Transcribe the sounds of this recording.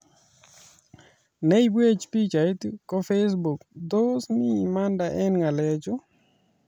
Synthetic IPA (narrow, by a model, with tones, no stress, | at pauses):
nɛ˦ibwe˦t͡ʃpi˦t͡ʃa˨i˦tkɔ˦fe˦s̬bu˨kd̪o˦snɪ˦ma˦nda˨ʔɛ˦nŋa˨lɛd͡ʒɔ˦